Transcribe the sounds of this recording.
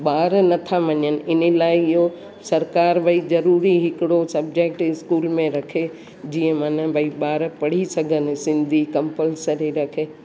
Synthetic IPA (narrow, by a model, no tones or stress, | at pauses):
ɓaːɾnɐt̪ʰaʋɐɲənɪ̆ʔɪnəlaːɪɪɦo | sɐɾkaːɾbʱɐizɐɾuːɾiɦɪkɪɽosɐb̚d͡ʑek̚ʈɪskuːlmẽɾɐkʰe | d͡ʑiːə̃mãːnə̃bʱɐiɓaːɾpɐɽ̤isɐɡʱənɪ̆sɪ̃nd̪ʱikɐ̃mpəlsəɾeɾɐkʰeː